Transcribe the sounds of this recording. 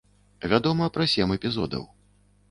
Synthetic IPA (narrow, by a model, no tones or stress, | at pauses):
vʲad̪ɔmɐpɾɐsʲɛmɛpʲizɔ̰d̪ɐ̰w